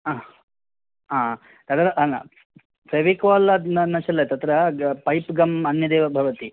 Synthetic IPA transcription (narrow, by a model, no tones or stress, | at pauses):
a | aː | t̪ɐt̪ɾɐʔɐna̰ | pɾeʋikɔːlɐd̪nɐnɐʃɐlːɐt̪ɐt̪ɾɐpɐjpɡɐmɐnjɐd̪eːʋɐbʱɐʋɐt̪i